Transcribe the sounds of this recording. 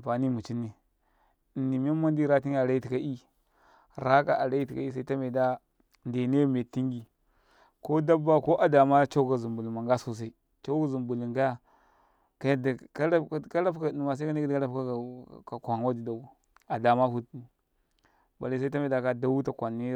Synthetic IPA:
pa˨ni˦mu˨t͡ʃi˦ni˨ | nːi˨m˦a˦ma˦n˦di˦ɾa˦ti˦ŋ˦a˨ɾa˦i˦ti˨ka˦ʔi˦ | ɾa˦ka˨ʔa˨ɾa˦i˦ti˨ka̰˨i˦s̬a˦i˦ta˦me˨da˦ | nde˨ne˦me˨ti˦ŋɡi˨ | ko˦da˦ba˦ko˦ʔa˨da˨ma˦t͡ʃa˦ka˨zu˨mbu˨li˨ma˨ŋ˦ɡa˦so˦s̬a˦i˦ | t͡ʃa˦ka˦zu˨mbu˨li˨ŋɡa˦a˦ | ka˦jda˨ka˦la˦˨ka˦la˦pka˨u˨ma˨s̬a˦ka˦ni˦kdka˦la˦pa˦˨ka˨kʷa˨ŋ˨wa˦di˨da˨u˨ | a˨da˨ma˦fu˦tn˨ | ba̰˨li˦s̬i˦ta˦me˨da˨ka˦da˦wu˦ta˨kʷa˨nːi˦

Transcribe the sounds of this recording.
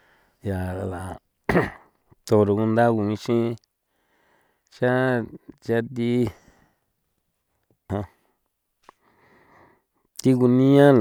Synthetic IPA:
ja˨la˨ | t̪o˧ɾo˧ku˧nd̪a˦ku˧mĩ˧ʃĩ˦ | t͡ʃa˦t͡ʃa˧t̪i˦ | hã˧ | t̪i˦ku˧nĩ˦ã˦l

